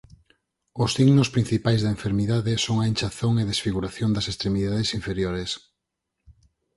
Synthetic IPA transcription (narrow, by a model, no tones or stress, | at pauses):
ʊsiɣnʊspɾin̟θipajzðɐeɱfeɾmiðaðɪsoŋaent͡ʃaθoŋeðesfiɣuɾaθjond̪ɐsest̪ɾemiðaðesiɱfeɾjoɾes